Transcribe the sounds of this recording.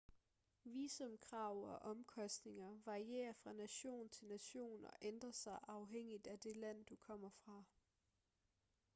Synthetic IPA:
ʋiːsɒ̽mkʰʁɑ̈ʊɒ̽ʔɒ̽mkʰɒ̽sd̥ne̝ŋɐʋɑ̈ʁie̝̰ːɐfʁɑ̈næɕo̝̰ːn̩t͡sʰe̝lnæɕo̝̰ːn̩ɒ̽ʔend̥ʁɐsɑ̈ɪʔɑ̈ʊɦeŋ̰id̥æd̥e̝læn̰d̥ukʰɒ̽m̰ɐfʁɑ̈

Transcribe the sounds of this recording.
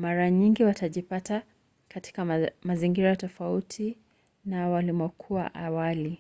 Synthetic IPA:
maɾaɲiŋɡiwataʄipata | kati̥kamaziŋɡiɾatɔfautʰi | nawalimɔkʰuwa̰ʔawali

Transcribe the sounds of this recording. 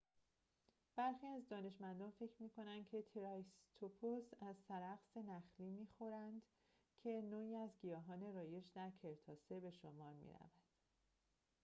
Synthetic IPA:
b̥æɾxiːæzd̪ɒːne̞ʃmænd̪ɒːnfe̞cʰɾmiːkʰo̞nænd̪̥̚kʰe̞t̪ʰeɾɒst̪ʰopʰosæzsæɾæɣse̞næxliːmiːxo̞ɾænd̪ | cʰe̞noːiːæzɟijɒːɦɒːne̞ɾɒːje̞d͡ʒd̪æɾcʰe̞ɾt̪ʰɒːsebe̞ʃomɒːɾmḭɾæ̰vænd̪̥

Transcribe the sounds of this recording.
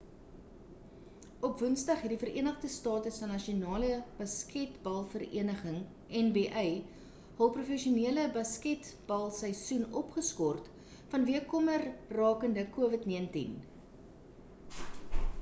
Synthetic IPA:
ɔpvənsdɐχɦɛtdifəɾiənəχdəstɑːtəsfɐnɐʃionɑːləb̥ɐskɛtbɐlˠfərḭənəχəŋ | ɛnbeːʔɛj | ɦɐlˠprufɛʃiuniələbɐskɛtb̥ɐlˠsəjsunɔpχəskɔrt | fɐnviəkɔmərrɑːkəndəkuəvətniəntḭn

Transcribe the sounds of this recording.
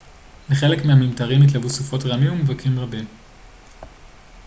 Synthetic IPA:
miχe̞lekmehamimtaʁimit̪̬lavusufo̞tʁamimumevakʰimʁabim

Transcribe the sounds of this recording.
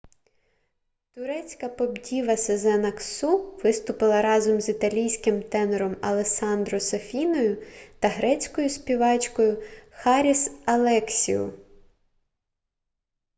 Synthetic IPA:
t̪ʊɾɛt͡sʲkɐpɔbdʲiʋɐsezɛnɐksuʋɪst̪ʊpɪlˠɐɾɑzɔmzit̪ɐlʲijsʲkɪmt̪ɛneɾɔmɐlˠesɑnd̪ɾɔsɐfʲinɔjʊt̪ɐɦɾɛt͡sʲkɔjʊsʲpʲiʋɑt͡ʃkɔjʊxɑɾʲisɐlˠɛksʲḭʊ̰

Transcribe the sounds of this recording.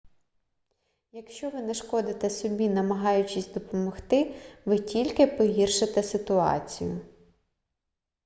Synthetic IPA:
jɐkʃt͡ʃɔʋɪnɛʃkɔd̪ɪt̪ɛsɔbʲinɐmɐɦɑjʊt͡ʃɪsʲd̪ɔpɔmɔxt̪ɪʋɪtʲilʲkɪpɔɦʲirʃɪt̪ɛsɪt̪ʊɑ̰t͡sʲḭjʊ

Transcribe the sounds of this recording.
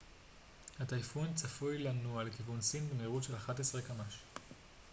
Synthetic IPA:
hatajfont͡safujlanualekivunsinbemeʁutʃe̞laχatesʁekamaʃ

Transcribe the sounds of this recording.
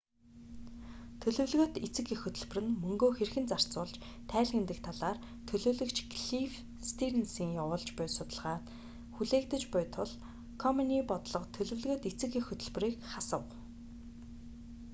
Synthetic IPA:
t̪ʰɵɮɵ̆wɮɣɵ̆t̪it͡sɘ̆kexɵt̪ɵ̆ɮp̆rɘ̆nmɵŋɡoːxerxɘ̆nt͡sar̥t͡sʊːɮt͡ɕ | t̪ʰæːɮxĕnt̪ɘ̆k̚t̪ʰaɮaːr | t̪ʰɵɮoːɮɵ̆kt͡ɕɡɮif | st̪iɾensiːŋjawʊːɮt͡ɕpʊːsʊt̪ə̆ɮʁaːt̪ | xuɮeːk̚t̪ə̆t͡ɕpʊjt̪ʰʊɮ | kʰɔmɔniːpɔt̪ɮɞ̆qt̪ʰɵɮɵ̆wɮɣŏt̪et͡sɘ̆kexɵt̪ɵ̆ɮp̆riːkχasə̆w

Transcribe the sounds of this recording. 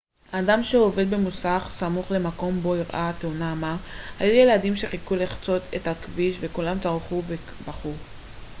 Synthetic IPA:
aːdamʃeove̞d̪̚bemusaχsamuχle̞mako̞mbo̞iʁʔat̪eunamahajuje̞ladimʃeχikuliχt͡so̞t̪ʰethakviʃve̞kulamt͡saʁχuve | baχu

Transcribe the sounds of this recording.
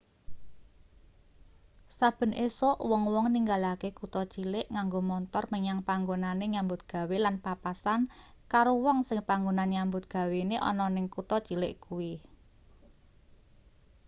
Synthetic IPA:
sab̥ə̤nʔesɔʔwɔŋwɔŋniŋɡalakekut̪ɔt͡ʃilɪʔŋaŋɡomɔnt̪ɔrməɲaŋpaŋɡonaneɲambʊt̪̚ɡ̥a̤welanpapasankaɾowɔŋsɪŋpaŋɡonanɲambʊt̪̚ɡ̥ä̤weneʔɔ̰nɔnɪŋkut̪ɔt͡ʃilɪʔkuwi

